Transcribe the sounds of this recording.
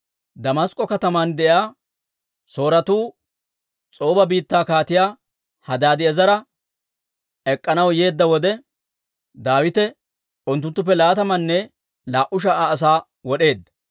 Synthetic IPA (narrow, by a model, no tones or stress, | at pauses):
d̪ɐmɐskʼːɔkɐt̪ɐmand̪ɛʔaː | so̞ːɾɐt̪uː | t͡sʼo̞ːbɐbiːt̪ːaːkaːt̪ɪjaː | hɐd̪aːd̪ɪɛzɐɾɐ | ɛkʼːɐnɐwje̞ːd̪ːɐwɔd̪ɛ | d̪aːwɪt̪ɛ | ʊnt̪ːʊnt̪ːʊp̬ːɛlaːt̪ɐmɐnːɛ | laːʔʊʃ̬ɐaːs̬aː | wɔɗe̞ːd̪ːɐ̥